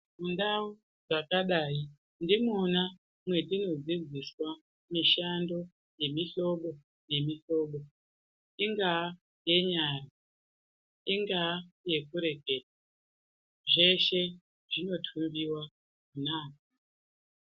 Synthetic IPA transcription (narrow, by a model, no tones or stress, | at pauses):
mundau | ʐakaɗaːi | ndimona | mwe̞tino̞d͡zid͡ziswa | miʃando̞ | je̞miɬo̞ɓo̞ | je̞miɬo̞ːɓo̞ | iŋɡaː | je̞ɲara | iŋɡaje̞kuɾe̞ɡʱe̞ːt̚a | ʐe̞ʃe̞ | ʐino̞tʰumbiwa | kunaːk̚a